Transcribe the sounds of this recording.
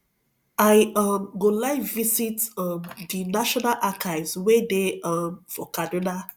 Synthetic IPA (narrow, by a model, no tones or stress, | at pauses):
aɪʌmɡolaɪvisitʌmdinaʃɔnalʔakʰaɪvzwedeʌmfɔkʰadina